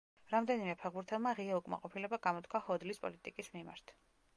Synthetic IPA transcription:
ɾamd̪ɛnimɛpʰɛʁbuɾt̪ʰɛlˠmaʁiɛukʼma̰qʼɔpʰilɛbaɡamɔt̪̚ʰkʰwahɔd̪lispʼɔ̰lit̪ʼikʼismima̰ɾt̪ʰ

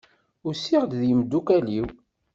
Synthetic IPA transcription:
ʊɾsiʁd̪ðjəmd̪ːukæliw

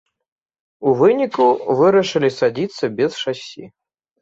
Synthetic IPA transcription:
uvɨnʲikuvɨɾɐʂɨlʲisad͡zʲit̪sːɐbʲɛsʂasʲḭ

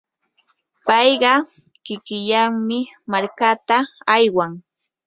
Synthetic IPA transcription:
pɑjɢɑ | kɪkɪʎaŋmɪmaɾkat̪aajwaŋ

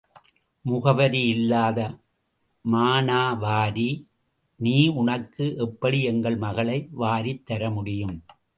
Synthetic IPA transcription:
mʊɣɐʋɐɾijɪlːaːðɐ | maːnaːʋaːɾi | niːʊɳɐkːɯʔɛpːɐɽiɛŋɡɐɭmɐɣɐɭɐɪʋaːɾit̪ːɐɾɐmʊɽɪjɯm

